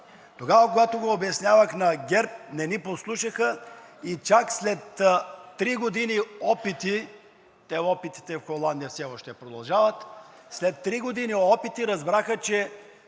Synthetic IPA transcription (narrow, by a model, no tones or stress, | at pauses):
t̪oɡavəkoɡat̪oɡoːbɛsnʲjavəxnɐɡʲɛɾp̚nɛniposlˠuʃɐxəit͡ʃakslɛt̪ːɾiɡod̪iniɔpit̪i | t̪ɛɔpit̪i̥t̪ɛfxolˠand̪ijəfsɛɔʃt̪ɛpɾod̪ɐlˠʒavɐt̪ | slɛt̪ːɾiɡod̪iniɔpit̪iɾɐzbɾaxət͡ʃɛ